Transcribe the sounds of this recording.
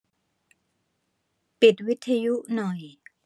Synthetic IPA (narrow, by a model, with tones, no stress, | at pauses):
pi˨˩t̪̚wi˦˥t̪ʰːa˧ju˦˥ʔnɔ˨˩j